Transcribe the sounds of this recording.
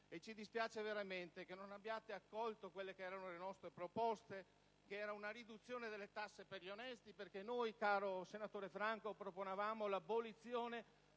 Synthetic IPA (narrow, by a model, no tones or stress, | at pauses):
et͡ʃid̪ispjaːt͡ʃeveɾament̪ekenonabjaːt̪eakːɔlt̪okwelːekeɛːɾanolenɔst̪ɾepɾopɔst̪e | keɛːɾaunaɾid̪ut̪sːjoːned̪elːet̪asːeperʎionɛst̪iperkenojkaːɾosenat̪oːɾefɾaŋkopɾoponevaːmolabːolit̪sːjoːne